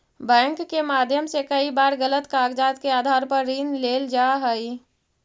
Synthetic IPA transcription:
bɛ̃ːŋkːemaːd̪ʱjəmsekɐibaːɾɣələt̪kaːɡd͡ʒaːt̪keaːd̪ʱaːɾpɐɾːiːnleːld͡ʒaːɦəi

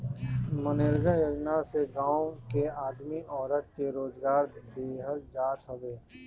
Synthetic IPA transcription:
mənɪɾɡajoːd͡ʒnaseɡãːõkeaːd̪miʔɔːɾət̪keɾoːd͡ʒɡaːɾbeːɦəd̪̚d͡ʒaːt̪ɦəʋeː

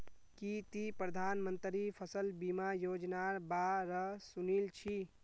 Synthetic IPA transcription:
kit̪ipɾəd̪ʱaːnmənt̪ɾipʰəsəlbimajoːd͡ʒnaɾbaɾəsunilt͡ʃʰi

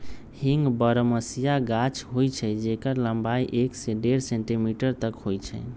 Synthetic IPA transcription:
hiŋɡbəɾəməsijaɡat͡ʃʰɦojt͡ʃʰɛd͡ʒekəɾləmbajʔekseɖeɾsẽɳʈimiʈəɾt̪əkɦojt͡ʃʰɛ̰

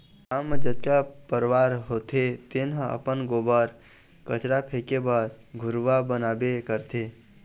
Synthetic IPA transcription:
amːd͡ʒət̪̚kapəɾʋaɾɦot̪ʰet̪enɦə̃ə̰pənɡobəɾ | kət͡ʃɾapʰekebəɾ | ɡʱʊɾʋabənabekəɾt̪ʰe

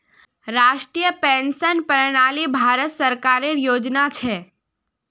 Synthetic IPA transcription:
ɾaʃʈɾijəpɛ̃nsənpəɾɽ̃alibʱaɾət̪səɾkaɾeɾjod͡ʒnat͡ʃʰe

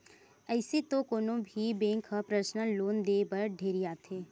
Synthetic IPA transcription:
əɪset̪okoːnõbʱibẽːŋkʰɦapɾəsnəloːnd̪eːbəɾɖʱeːɾiaːt̪ʰeː

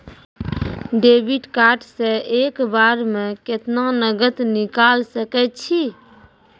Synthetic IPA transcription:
ɖeːbɪɖkaːɾʈseeːkbaːɾmẽkɪt̪nanəɡət̪nɪkaːlsəkɛt͡ʃʰi

